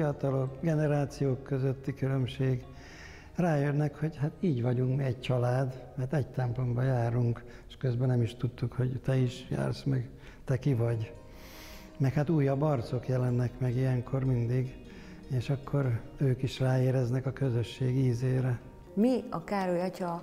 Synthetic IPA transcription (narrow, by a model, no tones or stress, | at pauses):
ijɒt̪ɒlo̞kɡɛnɛɾaːt̪sijoːkːøzøt̪ːikylø̞mʃeːɡ | raːjønːɛkho̞ɟhat̪iːɟʋɒɟuŋkmiɛɟt͡ʃɒlaːd̪mɛrt̪ɛɟt̪ɛmplo̞mbɒjaːɾuŋk | eʃkø̞zbɛnɛmiʃt̪ut̪ːukhoɟt̪ɛiʃja̰ːrsmɛɡ | t̪ɛkivɒɟ | mɛkhat̪uːjːɒbɒrt̪so̞kjɛlɛnːɛkmɛɡijɛŋkʰo̞rmind̪iɡ | eːʃɒkʰːo̞ɾ | øːkiʃraːeːɾɛznɛkɒkø̞zøʃːeːɡiːzeːɾɛ | miɒkaːɾojɒcɒ